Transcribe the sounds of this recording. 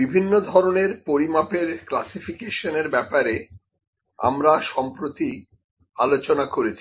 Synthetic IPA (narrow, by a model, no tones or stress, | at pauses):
bibʱinːod̪ʱɔɾoneɾpoɾimapeɾklasifikeʃoneɾbɛpaɾe | a̰mɾaʃɔmpɾot̪i | alot͡ɕonakoɾet͡ɕʰi